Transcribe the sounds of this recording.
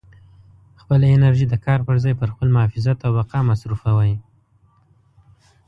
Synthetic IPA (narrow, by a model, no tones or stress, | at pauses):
xpəlaɪnaɾʒid̪əkʰɑɾpəɾzɑjpəɾxpəlmʊhɑfɪzat̪awbaqɑmasɾufawaj